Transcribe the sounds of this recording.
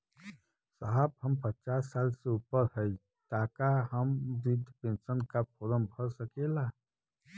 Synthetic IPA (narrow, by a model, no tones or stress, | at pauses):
saɦəbhəmpət͡ʃaːsːaːlseupəɾhəi | t̪aːkaɦəmɾid̪ʱpẽnsənkapʰoːɾəmbʱəɾsəkela